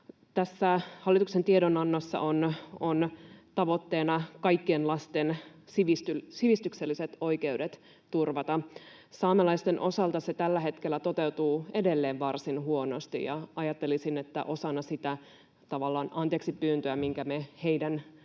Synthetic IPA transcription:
t̪æsːæhɑlːit̪uksent̪iedonɑnːɑsːɑ̰ʔonont̪ɑʋo̞t̪ːe̞ːnɑkɑjkːienlɑst̪ensiʋist̪ysiʋist̪ykselːiset̪o̞jke̞udet̪ | t̪urʋɑt̪ɑ | sɑːmelɑjst̪e̞nʔo̞sɑlt̪ɑse̞t̪ælːæɦe̞t̪kelːæt̪o̞t̪e̞wt̪uːe̞delːeːʋʋɑrsinɦuonost̪ḭjɑ̰ɑjɑt̪ːe̞lisinet̪ːæ̰ʔo̞sɑnːɑsit̪æ | t̪ɑʋɑlːɑːnɑnt̪eːksipːyːnt̪øæmiŋkæmehejdæn

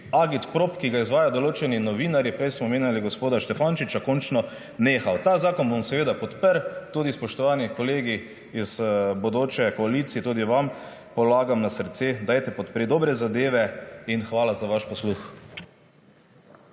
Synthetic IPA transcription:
aɡit̪pɾopkiɡaizʋaːjad̪oloːt͡ʃɛninɔʋiːnaɾjipɾɛjsmɔmeːnjaliɡospoːd̪aʃt̪ɛfanʃit͡ʃakɔnt͡ʃnɔ | neːxawt̪aːzaːkɔnbomsɛʋeːd̪apɔt̪pəɾt̪uːd̪ispɔʃt̪ɔʋaːnikɔleːɡi | iz̥bod̪oːt͡ʃɛkɔalit̪siɛt̪uːd̪iʋam | pɔlaːɡamnasɾt̪sed̪ajt̪ɛpɔt̪pɾid̪ɔbɾɛzad̪eːʋɛinxʋaːlazaʋaʃpɔslux

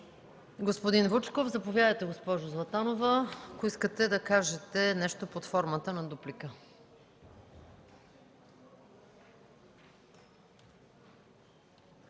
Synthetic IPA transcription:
ɡospod̪invut͡ʃkofzɐpovʲjad̪əjt̪ɛɡospɔʒʊzvˠɐt̪anovəkoiskət̪ɛd̪ɐkaʒɛt̪ɛnɛʃt̪opot̪fɔɾmət̪ənɐd̪uplikə

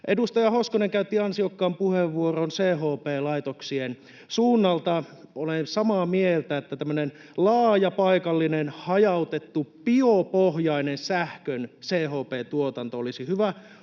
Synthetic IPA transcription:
ʔedust̪ɑjɑhoskoneŋkæyt̪ːiɑnsiokːɑːmpuheʋʋuoronseːɦoːpeːlɑit̪oksien | suːnːɑlt̪ɑolensɑmɑːmielt̪æet̪ːæt̪æmːønenlɑːjɑpɑikɑlːinenhɑjɑut̪et̪ːupiopohjɑinensæhkønseːɦoːpeːt̪uot̪ɑnt̪oolisihyʋæ

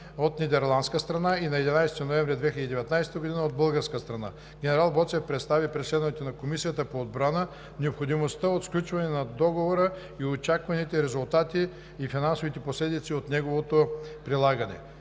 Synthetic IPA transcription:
ot̪nid̪ɛɾlˠand̪skəst̪ɾɐnainɐɛd̪inajst̪inoɛ̃vɾɛd̪vɛxʲiləd̪id̪ɛvɛt̪najst̪əɡod̪inəod̪̚bəlˠɡəɾskəst̪ɾɐna̰ | ɡʲɛnɛɾalˠbɔt̪sɛfpɾɛt̪st̪avipɾɛt̪slɛd̪ovɛt̪onɐkomisijət̪əpoːd̪bɾanə | nɛopxod̪imost̪əot̪sklʲut͡ʃvɐnɛnɐd̪ɔɡovoɾə | iot͡ʃakvɐnit̪ɛɾɛzʊlˠt̪at̪iː | finansovit̪ɛposlɛd̪it̪siot̪nɛɡovot̪opɾilˠaɡənɛ̰

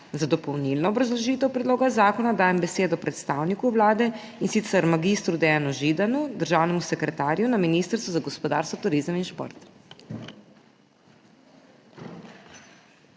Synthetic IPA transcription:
zad̪ɔpɔwnilnɔːbɾazlɔʒiːt̪ɛwpɾɛd̪loːɡazaːkɔnad̪aːjɛmbɛseːd̪ɔpɾɛt̪st̪aːwnikuwlaːd̪ɛ | insit̪sɛɾmaɡist̪ɾud̪ɛjanuʒid̪anud̪əɾʒaːwnɛmusɛkɾɛt̪aːɾjunaminiːst̪əɾsʋuzaɡɔspɔd̪a̰ːɾst̪ʋɔt̪uɾizəminʃpo̰ɾt̪

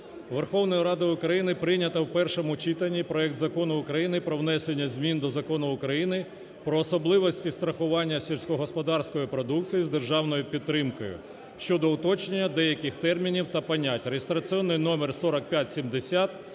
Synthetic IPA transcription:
ʋerxɔwnɔjɐɾɑd̪ɐʊkɾɐjinɪpɾɪnʲɐt̪ɐwpɛrʃɔmʊt͡ʃit̪ɐnʲːipɾɔɛk̚t̪zɐkɔnʊʊkɾɐjinɪpɾɔwnɛsʲenʲːɐzʲmʲind̪ɔzɐkɔnʊʊkɾɐjinɪ | pɾɔːsɔblˠɪʋɔsʲtʲist̪ɾɐxʊʋɑnʲːɐsʲɛlʲsʲkɔɦɔspɔd̪ɑrsʲkɔjipɾɔd̪uk̚t͡sʲijizd̪erʒɑwnɔjʊpʲid̪ːɾɪmkɔjʊ̰ | ʃt͡ʃɔd̪ɔʊt̪ɔt͡ʃnenʲːɐd̪ɛjɐkɪxt̪ɛrmʲinʲiwt̪ɐpɐnʲatʲrejest̪ɾɐt͡sʲiɔnːɪjnɔmɛrsɔɾɐk̚pʲjatʲsʲimd̪esʲat̪̚

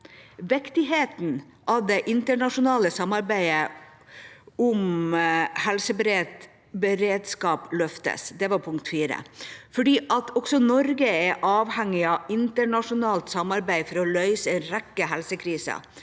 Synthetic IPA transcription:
ʋɪkt̪ɪɦeːt̪n̩ | ʔɑʋd̪ɛʔɪnt̪əɳɑʂʊnɑːləsɑmːɑɾbæɪə | ʊm | hɛlsəbəɾe | bəɾeːd̪skɑːplœft̪ə̰sd̪ɛʋɑɾpʰʊŋkt̪fiːɾə̰fɔɖiːʔɑt̪ʰɔksɔnɔɾɡəɛʔɑːʋhɛŋːɪɑɪnt̪əɳɑʂʊnɑːlt̪sɑmɑɾbæɪfɔɾɔlœʏsəɛnɾɛkːəɦɛlsəkʰɾiːsɑ̰

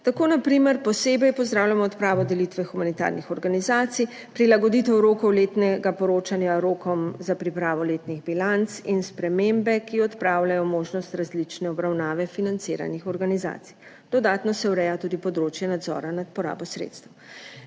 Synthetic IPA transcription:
t̪akoːnapɾimɛɾpɔseːbɛjpɔzd̪ɾaːwlʲjamɔɔt̪pɾaːʋɔd̪ɛlit̪ʋɛxumanit̪a̰ɾnixɔɾɡanizaːt̪sij | pɾilaɡɔd̪it̪ɛwɾoːkɔwleːt̪nɛɡapɔɾoːt͡ʃanjaɾoːkɔmzapɾipɾaːʋɔleːt̪niɣbilant̪sinspɾɛmembɛkiɔt̪pɾawlajɔmoːʒnɔst̪ɾazlit͡ʃnɛɔbɾawnaːʋɛfinant̪siːɾa̰nixɔɾɡaniza̰ːt̪si̥j | d̪̥ɔd̪aːt̪nɔsɛwɾɛjat̪ud̪ipɔd̪ɾoːt͡ʃjɛnad̪zɔ̰ɾanat̪̚pɔɾa̰ːbɔsɾḛt̪st̪əw

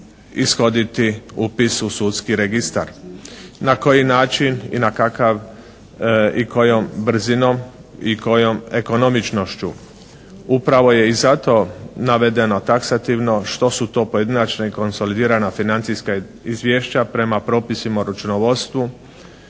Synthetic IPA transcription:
isxo̞d̪it̪iupisusut̪skiɾe̞ɡist̪a̰ɾnako̞jinaːt͡ʃinḭnakakaʋ | iko̞jo̞mbr̩zino̞m | iko̞jo̞me̞ko̞no̞mit͡ʃno̞ʃt͡ɕu | upɾaʋo̞je̞izat̪o̞naʋed̪e̞no̞t̪aksat̪iʋno̞ʃt̪o̞sut̪o̞ːpo̞je̞d̪inat͡ʃnaiko̞nso̞lid̪iːɾanafinant̪siska | izʋjeʃt͡ɕapɾe̞mapɾo̞ːpisimauɾut͡ʃunoʋo̞t̪st̪ʋu

